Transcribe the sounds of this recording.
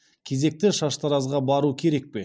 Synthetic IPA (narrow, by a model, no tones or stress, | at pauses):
kʲʰe̞ze̞k̚t̪ɪʃɑʃt̪ʰɑɾɑzʁɑbɑɾukʲʰe̞ɾe̞k̚pe̞